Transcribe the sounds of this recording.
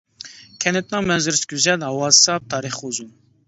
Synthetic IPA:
kʲʰɛnɛt̪̚nɑːmɛnzɨɾskʲyzɛlhɑwɑːzsɑp̚t̪ʰɑːɾiχːozun

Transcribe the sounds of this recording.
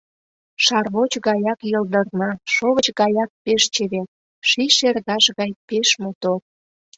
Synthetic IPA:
ʃɑrβot͡ɕɣɑjɑkjəld̪ərnɑʃoβət͡ɕɣɑjɑk̚peʃt͡ɕeβet̪̚ | ʃiʃerɣɑʃɣɑjpeʃmot̪ot̪̚

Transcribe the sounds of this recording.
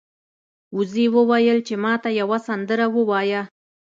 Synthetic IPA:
uziwəwajəlt͡ʃemɑt̪ajawasand̪əɾawəwɑja

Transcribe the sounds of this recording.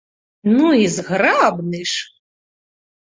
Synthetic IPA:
nuizɣɾabnɨʂ

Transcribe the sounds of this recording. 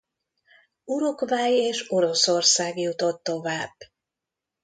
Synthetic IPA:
uɾokvaːjeːʃo̞ɾo̞sorsaːɡjut̪o̞t̪ːo̞vaːb̥

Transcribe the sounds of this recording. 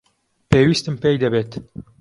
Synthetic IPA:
peːwiːst̪ɨmpejd̪ɛbeːt̪

